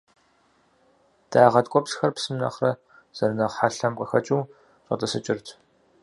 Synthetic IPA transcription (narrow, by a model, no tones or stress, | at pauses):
d̥aːʁɐtkʷʼɔpsxɐrpsɨmnɐ̰χrɐ | z̥ɐrnɐʁħaɬɐmqʼɐxɐt͡ʃʼuː | rʼɐ̰tʼɐsɨt͡ʃʼɪrtʰ